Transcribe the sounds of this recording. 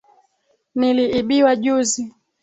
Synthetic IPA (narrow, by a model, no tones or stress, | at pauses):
niliʔiɓiwaʄuzi